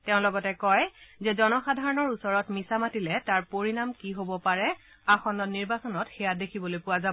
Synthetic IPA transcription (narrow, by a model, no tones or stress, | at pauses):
tɛʊ̃lɔɡɔtɛkɔjzɛzɔnɔxadʱaɹɔnɔɹusɔɹɔtmisamatilɛtaɹpoɹinamkiɦobɔpaɹɛ | axɔnɔniɹbasɔnɔtxɛjadekʰibɔlojpʊazaɔ